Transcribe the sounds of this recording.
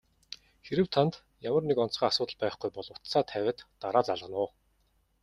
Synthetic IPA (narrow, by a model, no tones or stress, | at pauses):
xeɾɘ̆wt̪ʰant̪ | jamə̆rnekɔnt͡sɢaːasʊːt̪ə̆ɮpæːχɡujpɔɮʊt̪saːt̪ʰæwʲæ̆ːt̪ːaɾaːt͡saɮʁə̆nʊː